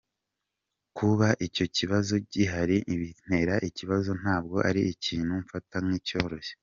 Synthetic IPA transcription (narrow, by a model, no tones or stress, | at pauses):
kuβaʔico̞ciβazo̞ɟiɦaɾiʔiβin̥e̞ɾaʔiciβazo̞n̥aːb̚ɡo̞ʔaɾiiciːn̥huɱfatamŋiːco̞ːɾo̞ʃe